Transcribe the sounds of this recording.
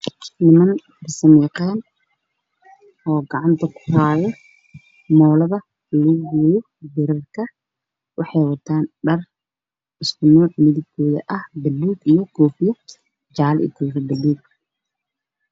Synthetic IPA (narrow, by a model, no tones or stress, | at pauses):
nɪmɐnfɐrsɐmɛqɛːn | ʔɔːɡɑʕɑnt̪ʰɐkʰʊ̥raːðɛ | mɔːlɐβɐ | lɐɣʊɡujɔ | bɪɾɐrkʰɐ | wɑħɑjwɐt̪ʰaːnɖɐr | ɪskʰʊnɔːʕmɪðɪɡ̚kʰɔːðɐ̰ʔɐhbɐlːuːɡijɔkʰɔːfɪjɔ | d͡ʒaːlɪ̰t̪ʰɔːfɐbɐlːuːɡ̚